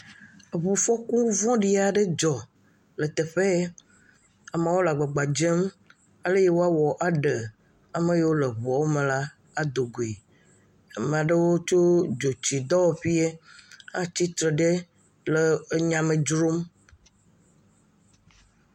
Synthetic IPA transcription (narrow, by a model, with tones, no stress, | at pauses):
βu˨fɔ˦kũ˦vɔ̃˦ɖi˦a˨ɖe˦d͡ʒɔ˨ | lə˨t̪e˨ɸe˦ | a˨mã˨wo˦la˨ɡ͡ba˨ɡ͡ba˨d͡ʒe˦m | a˦le˦je˦wo˦a˦wɔ˨ʔa˨ɖə˨ | a˨me˦je˦wo˦le˨βɔ˨wo˦mẽ˨la˦ | a˨d̪o˨ɡo˨e˨ | a˨mẽ˨a˨ɖe˦wo˦t͡ʃo˦d͡ʒo˨t͡ɕi˨d̪ɔ˦wɸi˦e˦a˦t͡ɕi˦t̪ɾe˨ɖe˦ | le˨˦ɲã˨mẽ˨d͡ʒɾo˦m